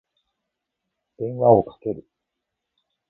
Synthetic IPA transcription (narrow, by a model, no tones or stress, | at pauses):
d̪̥ẽ̞ɰ̃βaokḁke̞ɾɯ̟